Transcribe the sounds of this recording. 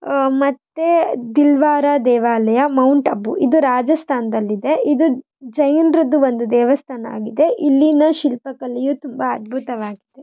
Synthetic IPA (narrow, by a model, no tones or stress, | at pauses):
mɐt̪ːed̪ilʋaːɾad̪ɛːʋaːlɐjɐmɐwɳʈɐbːuʔid̪uɾaːd͡ʒɐst̪ʰaːnd̪ɐlːid̪e̞id̪u | d͡ʒɐjnɾɐd̪uʋond̪ud̪ɛːʋɐst̪ʰaːnɐa̰ːɡid̪e̞ʔilːinɐʃilpɐkɐlijut̪umbɐːd̪̚bʱut̪ɐʋaːɡid̪e̞